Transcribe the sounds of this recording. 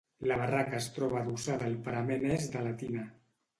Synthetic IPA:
ləβarakəːst̪ɾɔβ̞aðusaðaːlˠpəɾamenezðəlat̪ina

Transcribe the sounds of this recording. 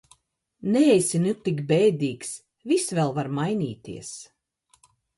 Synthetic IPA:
neɛjsʲinut̪ːikbɛːd̪iːks | visvɛlˠvaɾmajnḭːt̪ḭɛs

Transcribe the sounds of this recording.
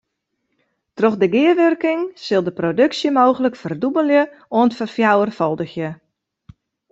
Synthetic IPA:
troxdəɡɪəʋørkɪŋsɪlˠdəprodøksjəmoːɣələkfərdubəlˠjə | oəntfəfjawərfɔlˠdəxjə

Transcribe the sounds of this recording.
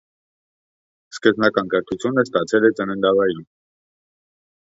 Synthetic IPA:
skəznɑkɑnkəɾt̪ʰut͡sʰjunəst̪ɑt͡sʰɛlɛt͡sənənd̪ɑvɑjin

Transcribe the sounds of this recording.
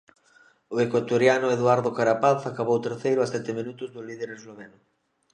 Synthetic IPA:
ʊekwat̪oɾjanʊeðwaɾðʊkaɾapaθakaβowt̪eɾθejɾʊasɛt̪ɪmĩnut̪ʊzðʊliðeɾezloβenʊ

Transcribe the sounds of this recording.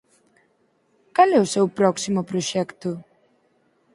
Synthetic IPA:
kalɛʊsewpɾɔksimʊpɾoʃɛkt̪ʊ

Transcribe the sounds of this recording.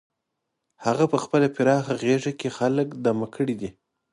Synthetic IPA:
haɣapəxpəlapɪɾɑxaɣeʐakexaləkd̪amakʰəɽid̪i

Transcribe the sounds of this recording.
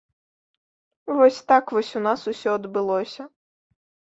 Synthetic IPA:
vɔsʲt̪akvɔsʲunasusʲɔɐd̪bɨlˠɔsʲɐ

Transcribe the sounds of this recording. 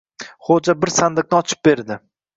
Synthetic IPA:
χod͡ʒabɪɾsand̪ɪq̚nɪɒt͡ʃʰɪ̥p̚be̞ɾd̪ɪ

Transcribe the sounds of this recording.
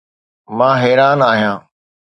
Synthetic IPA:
mãːɦɛːɾaːnaːɦijãː

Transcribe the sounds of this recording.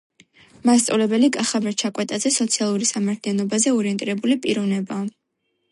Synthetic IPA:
mast̪sʼɔ̰vlɛbɛlikʼaχavɛɾt͡ʃʰakʼwɛt̪ʼazɛsɔt̪sʰialˠuɾisamaɾt̪ʰlianɔbazɛɔɾiɛnt̪ʼiɾɛbulipʼiɾɔvnɛbaː

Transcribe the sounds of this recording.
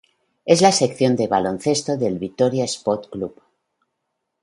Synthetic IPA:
e̞zlase̞kθjo̞nd̪e̞βalo̞nθe̞st̪o̞ðe̞lβit̪o̞ɾjaespot̪klup

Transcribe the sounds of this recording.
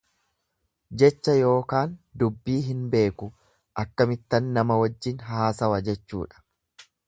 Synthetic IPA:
d͡ʒɛt͡ʃːɐjo̞ːkaːnd̪ʊbːiːɦɪnbe̞ːkʊ | ʔɐkːɐmɪt̪ːɐnːɐmɐwɐd͡ʒːɪnɦaːsɐwɐd͡ʒɛt͡ʃːṵːᶑɐ̥

